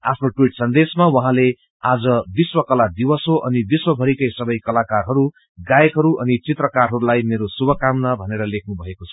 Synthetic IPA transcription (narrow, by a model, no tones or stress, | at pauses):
a̰pʰnoʈwiʈsʌnd̪esmawʌɦãle | ad͡zʌbiswʌkʌlad̪ibʌsoʔʌnibiswʌbʱʌɾikʌjsʌbʌjkʌlakarɦʌɾu | ɡajekɦʌɾuʔʌnit͡sit̪rʌkarɦʌɾulajmeɾosubʱʌkamnʌbʱʌneɾʌlekʰnubʱʌekot͡sʰʌ̥